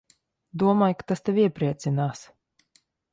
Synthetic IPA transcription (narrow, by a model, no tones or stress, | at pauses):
d̪uɔmaːjkḁt̪ast̪ɛviɛpɾiɛt̪sinaːs